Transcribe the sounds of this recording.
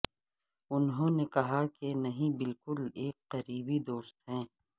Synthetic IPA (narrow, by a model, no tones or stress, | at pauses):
ʊnɦõːnekɐɦakenɐɦĩbɪlkʊleːkqɐɾiːbid̪oːst̪ɦɛ̃ː